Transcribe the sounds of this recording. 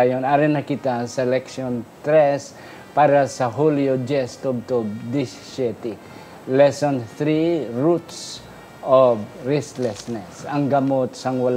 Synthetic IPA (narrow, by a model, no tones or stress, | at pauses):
ajonaɾɛnɐkɪt̪asɛlɛkʃont̪ɾɛs | paɾɐsɐɦuliod͡ʒɛst̪ɔb̚t̪obd̪ɪ | ʃɛt̪i | lɛsonθɾiɹut̪s | ʔobɹɛst̪lɛsnɛsɐŋɡɐmot̪sɐŋwɐl